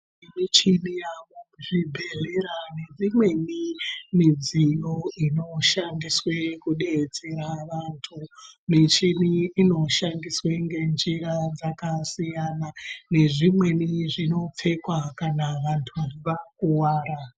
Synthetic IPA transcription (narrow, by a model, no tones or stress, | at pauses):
imit͡ʃinijaʋoʐibʱeleɾane̞d͡zimwe̞nimid͡zijo̞ino̞ʃandiswekuɗe̞t͡seɾaʋantʰunet͡ʃiniːno̞ʃandisweŋɡe̞nd͡ʒiɾad͡zakasijanane̞ʐimwe̞niʐino̞p͡fe̞kwakanaʋantʰuʋakuwaːɾa